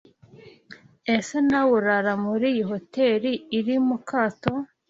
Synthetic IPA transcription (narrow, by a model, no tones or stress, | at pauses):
esenawuɾaɾamuɾiːjiho̞teːɾiːɾimukʰaːto̞